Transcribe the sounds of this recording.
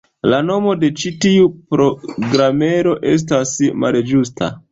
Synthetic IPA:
lano̞mo̞de̞t͡ʃitiupɾo̞ɡɾame̞ɾo̞ʔe̞s̬tasma̰ld͡ʒustʰa̰

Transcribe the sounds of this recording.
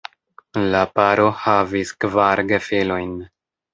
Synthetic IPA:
lapaɾo̞haviskvaɾɡefelo̞jn

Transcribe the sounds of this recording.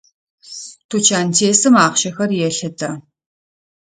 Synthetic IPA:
tʰut͡ʃʰaːntʰeːsɨmaːχʃɐxɐrjɛɬɨtʰɐ

